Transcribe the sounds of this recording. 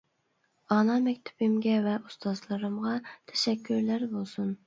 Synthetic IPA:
ɑnɑmɛkʲt̪ʰu̥bɪmɡʲɛvɛʔust̪ʰɑzlˠɨɾɨmʁɑt̪ʰɛ̥ʃɛkʲʰːyɾlæɾbolˠsun

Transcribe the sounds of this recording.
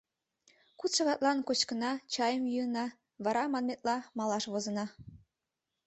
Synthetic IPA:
kut͡sʃɑɣɑt̪̚lɑnkot͡ɕkənɑt͡ɕɑjəmjuənɑ | βɑɾɑmɑnmet̪̚lɑmɑlɑʃβozə̆nɑ

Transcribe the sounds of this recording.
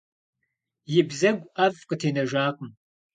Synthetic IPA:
jɪbzɐɡʷɐvqətʰeːnɐʒaːqʷʼʊm

